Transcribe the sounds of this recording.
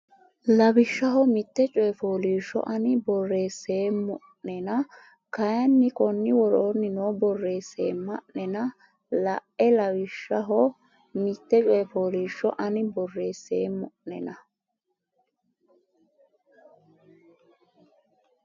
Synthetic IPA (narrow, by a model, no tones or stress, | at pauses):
lɐbɪʃːɐɦɔmɪt̪ːɛt͡ʃʼɔjɛfoːliːʃːɔ̰ʔɐnɪbɔrːe̞ːse̞ːmʊʔnɛnɐ | kɐjɐnːɪkɔnːɪwɔɾoːnːɪnoːbɔrːe̞ːseːmɐʔnɛnɐ | lɐʔɛlɐwɪʃːɐɦɔ | mɪt̪ːɛt͡ʃʼɔjɛfoːliːʃːɔ̰ʔɐnɪbɔrːe̞ːse̞ːmʊʔnɛnɐ